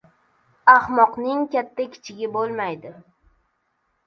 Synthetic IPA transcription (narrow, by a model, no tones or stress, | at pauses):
ahmɒqnɪŋkʲat̪ʰːakʲʰɪ̥t͡ʃʰɪɡʲɪbolˠmajd̪ɪ